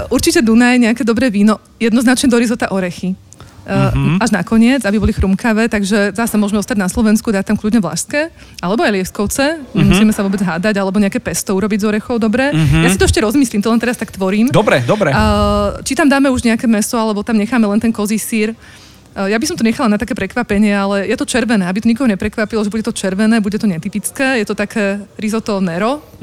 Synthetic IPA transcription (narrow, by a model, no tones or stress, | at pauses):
ʔuɾt͡ʃicɛd̪unajɲɛakɛːd̪ɔbɾɛːʋiːnɔ | jɛd̪nɔznat͡ʃɲɛd̪ɔɾizɔt̪aʔɔɾɛxi | aʒna̰kɔɲɪɛd͡zabibɔlixɾumkaʋɛːt̪aɡʒɛzasɛmʊɔʒmɛɔst̪aɟnaslɔʋɛnskud̪aːt̚t̪amklʲudɲɛʋla̰ʃskɛ | alɛbɔajlɪɛskɔʊt͡sɛɲɛmusiːmɛsaʋʊɔbɛd͡zɦaːd̪aɟalɛbɔɲɛakɛːpɛst̪ɔuɾɔbiɟzɔɾɛxɔʊd̪ɔbɾɛːjasit̪ɔɛʃcɛɾɔzmiːsliːmt̪ɔlɛnt̪ɛɾast̪akt̪ʋɔɾiːmd̪ɔbɾɛd̪ɔbɾɛt͡ʃit̪amd̪aːmɛuʒɲɛakɛːmɛsɔalɛbɔt̪amɲɛxaːmɛlɛnt̪ɛnkɔzisiːɾ | jabisɔmt̪ɔɲɛxalanat̪akɛːpɾɛkʋapɛɲɪɛalɛjɛt̪ɔt͡ʃɛɾʋɛnɛːabit̪ɔɲikɔɦɔɲɛpɾɛkʋapilɔʒɛbuɟɛt̪ɔt͡ʃɛɾʋɛnɛːbuɟɛt̪ɔɲɛt̪ipit͡skɛːjɛt̪ɔt̪akʰɛːɾizɔt̪ɔnɛɾɔ